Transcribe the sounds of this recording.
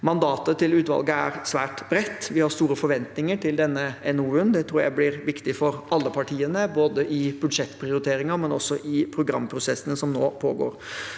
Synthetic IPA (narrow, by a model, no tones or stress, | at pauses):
mɑnd̪ɑːt̪ət̪ɪlʉːt̪ʋɑ̰lɡəæ̰ɾsʋæːʈb̥ɾɛt̪ːʋɪhɑɾst̪uːɾəfɔɾʋɛnt̪nɪŋəʈʰɪld̪ɛnːəɛnuːʉnd̪ɛt̪ʰɾuːɾjæ̰ɪblɪɾʋɪkt̪ɪfɔɾɑlːəpʰɑʈʰiːənəboːd̪əʔɪbʉd̪ʂɛt̪ːpʰɾɪʊɾɪt̪ʰeːɾɪŋɑmɛnɔsɔʔɪpʰɾʊɡɾɑmːpʰɾʊsɛsːənəsɔmno̰ːpʰo̰ːɡo̰ːɾ